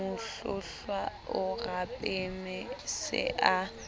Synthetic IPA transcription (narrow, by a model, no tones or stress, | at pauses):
ʊɬʊɬwaʊrapʼemɛsɪ̰ʔa